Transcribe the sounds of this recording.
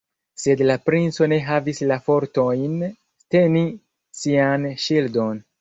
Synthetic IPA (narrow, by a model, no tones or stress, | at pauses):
se̞dlapɾint͡so̞ne̞ɦavislafo̞ɾto̞jn | te̞ni | sianʃildo̞n